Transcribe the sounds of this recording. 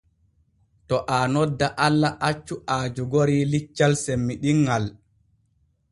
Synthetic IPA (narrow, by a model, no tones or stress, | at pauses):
tɔʔaːnɔdːaʔalːaʔat͡ʃːuʔaːd͡ʒuɡoɾiːlit͡ʃːalsemːiɗiŋːal